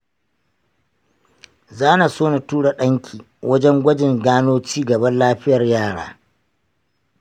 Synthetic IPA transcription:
zaː˦na˨soː˦na˨tuː˦ɽa˨ɗɐ˦ŋkʲʰiː˨ | wʔɐ˦d͡ʒɛ˦ŋɡʷɐ˦d͡ʒɪ˨ŋɡaː˦noː˦t͡ʃiː˦ɡɐ˨bɐ˦nlaː˦ɸɪ˦jɐ˨rjaː˦˨ɽa̰ː˦

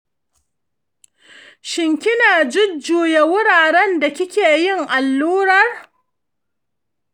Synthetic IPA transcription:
ʃɪ˨ŋkʲɪ˦naː˨d͡ʒɪ˦d͡ʒuː˨je˨wʊ˦ɽaː˨ɽɛ˦nda˨kʲɪ˦kʲeː˨jɪ˦ŋʔa˨lːuː˦ɾɐ˦r

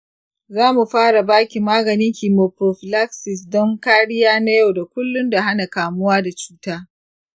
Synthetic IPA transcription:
zaː˦mu˨ɸaː˦ɽa˨baː˦kʲi˨maː˦ɡɐ˨nɪ˦ŋkʲiː˨mo˨pɾoː˨ɸɪ˨la˦ksɪ˨s̬dɔ˦ŋkaː˦ɽɪ˦jaː˦na˦ja˦wda˨kʷʊ˦lːʊ˦nda˨ɦa˦na˨kaː˨mʊ˦waː˦da˨t͡ʃu̥ː˦taː˦

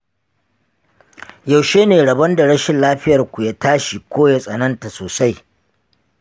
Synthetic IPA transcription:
ja˨wʃeː˦neː˨ɽɐ˨bɐ˦nda˨ɽɐ˦ʃɪ˨nlaː˦ɸɪ˦jɐ˨rkʷu˨ja˦taː˦ʃi˨kʷoː˦ja˦sʼɐ˨nɐ˦nta˨soː˨sa˦j

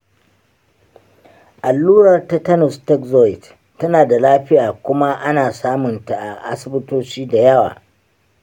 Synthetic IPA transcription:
ʔa˨lːuː˦ɾɐ˨rta˦tɐ˦nɔ˨stɛ˦kzɔ˦ɪ˨tː | ɐ˦naː˨da˨laː˦ɸɪ˦jaː˨kʷʊ˦ma˦ʔa˦naː˨saː˦mʊ˨nta˨ʔa˨ʔa̰˦sɪ˨bɪ˦toː˦t͡ʃiː˦da˨jɐ˦wa̰ː˨

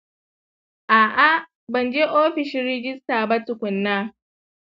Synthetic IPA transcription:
ʔaː˨ʔa˦ | bɐ˨nd͡ʒe˦ʔoː˦ɸɪ˨ʃɪ˦ɾɪ˦d͡ʒɪ˦staː˨ba˦tʊ˨kʷʊ˨nːa˦

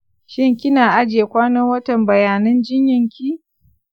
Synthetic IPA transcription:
ʃɪ˦ŋkʲɪ˦naː˨ʔa˦d͡ʒeː˨kʷaː˦nɐ˦wɐ˦tɐ˨mbɐ˨jaː˨nɐ˦nd͡ʒɪ˦ɲjɪ˨ŋkʲi˦

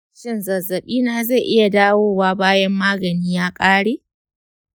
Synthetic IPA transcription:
ʃɪ˦˨nzɐ˨zɐ˨ɓiː˦naː˨za˦˨jʔɪ˦ja˨daː˦woː˦waː˦baː˦jɐ˦mːaː˦ɡɐ˨niː˦jaː˦kʼaː˦ɽeː˦

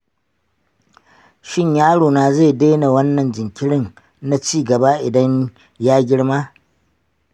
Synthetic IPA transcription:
ʃɪ˦ɲjaː˦ɽoː˨naː˨ze˦˨de˦na˨wɐ˦nːɐ˨nd͡ʒɪ˨ŋkʲɪ˦ɽɪ˦n | na˦t͡ʃiː˦˨ɡɐ˨ba˦ʔɪ˨dɐ˦ɲ | jaː˦ɡʲɪ˦ɽmaː˦

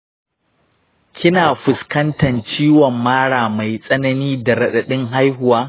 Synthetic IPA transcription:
kʲʰɪ˦naː˨ɸʊ˨skɐ˦ntɐ˨nt͡ʃiː˦wɔ˨mːaː˦ɽaː˨ma˨jsʼɐ˦nɐ˦niː˦da˨ɽɐ˨ɗɐ˨ɗɪ˦ŋɦa˦jɦʊ˨waː˦

